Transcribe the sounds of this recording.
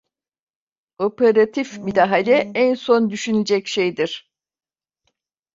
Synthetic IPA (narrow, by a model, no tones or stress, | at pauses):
o̞peɾat̪ʰifmid̪aɦalʲɛænso̞nd̪yʃyned͡ʒɛcʃejd̪iɾ̥